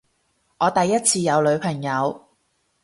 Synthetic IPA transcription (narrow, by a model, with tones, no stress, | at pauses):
ʔɔː˨˧t̪ɐ˨jːɐ˥t̚t͡sʰiː˧jɐ˨˧wlɵ˨˧ɥpʰɐ˨˩ŋjɐ˨˧w